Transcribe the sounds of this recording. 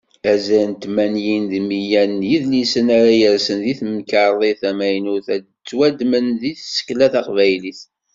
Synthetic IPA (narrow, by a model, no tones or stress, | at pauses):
æzænt̪mænjinðmijænjiðlisənaɾajəɾsənðiθməkəɾˤðˤeθæmæjnuθæ | t͡sːwæd̪mənðiθsə̥kːlæθɑqvæjliθ